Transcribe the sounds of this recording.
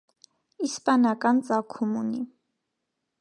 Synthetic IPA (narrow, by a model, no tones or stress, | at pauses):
ispɑnɑkɑnt͡sʼɑkʰumuni